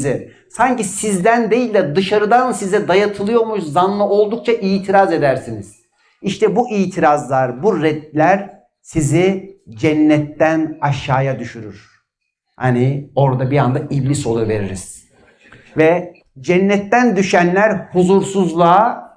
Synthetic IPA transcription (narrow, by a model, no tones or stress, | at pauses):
zɛ | saɲcisizd̪ænd̪e̞jilʲd̪ɛd̪ɯʃaɾɯd̪ansizɛd̪ajat̪ʰɯlˠɯjo̞ɾmuʃzanlˠɯo̞lˠd̪uk̚t͡ʃʰaʔijt̪ʰiɾaze̞d̪æɾsiniz̥ | iʃt̪ʰɛbuʔijt̪ʰiɾazlˠaɾbuɾɛd̪̚lʲæɾ | sizid͡ʒɛnːɛt̪ːænaʃaːjad̪yʃyɾyɾ̥ | hanio̞ɾd̪abiɾand̪aʔiblʲiso̞lˠuve̞ɾiɾiz̥ | vɛ | d͡ʒɛnːɛt̪ːænd̪yʃænlʲæɾhuzuɾsuzlˠaː